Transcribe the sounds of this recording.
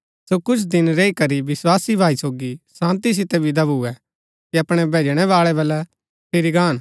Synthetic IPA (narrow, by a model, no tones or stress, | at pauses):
sokʊt͡ʃʰd̪ɪnɾeːikɐɾiʋɪswaːsibʱaːisoːɡisãːnt̪is̬ɪt̪ɛbʱid̪ɐbuɛ | kiɐpɽ̃ɛbʱeːd͡ʒɽ̃ɛʋaːɭɛbɐlɛ | pʰɪɾiɡaːn